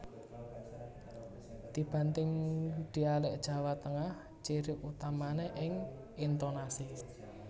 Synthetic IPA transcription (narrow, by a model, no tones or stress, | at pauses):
d̪̥i̤b̥a̤nt̪ɪŋd̪̥i̤alɪʔd̥ʒ̥a̤wat̪əŋah | t͡ʃiɾɪput̪amaneʔɪŋ | int̪onasi